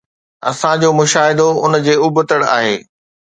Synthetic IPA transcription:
ɐ̰sãd͡ʑoːmʊʃaːɦɪd̪oʊnd͡ʑeːʊbət̪əɽa̰ːɦḛː

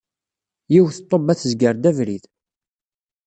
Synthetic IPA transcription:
jiwθət̪ˤːobæθəzɡəɾd̪ævɾið

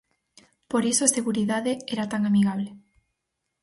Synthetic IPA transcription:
poɾisoaseɣuɾiðaðeɛɾat̪aŋamiɣaβ̞le

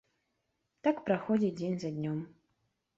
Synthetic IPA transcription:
t̪akpɾaxɔd͡zʲid͡zʲenʲzɐd̪ʲnʲɔm

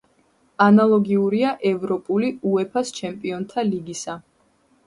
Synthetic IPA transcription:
analˠɔɡiuɾiaʔɛvɾɔpʼuliuɛpʰast͡ʃʰɛmpʼiɔnt̪ʰaliɡisa

